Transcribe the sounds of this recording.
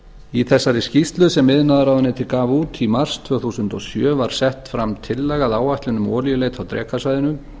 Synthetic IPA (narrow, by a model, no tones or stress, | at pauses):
iθɛsːaɾɪscist̪lʏsɛmːɪðnaðaɾawðɪnɪt̪ʰɪlkaːvuːt̪imar̥st̪ʰv̥œːθusʏnt̪ɔsjœːvaɾ̥sɛht̪fɾamt̪ʰɪlːɛːɣaðaːwajht̪lɪnʏmɔːlijʏlejt̪ʰawt̪ɾɛ̰ːkasajðɪnʏm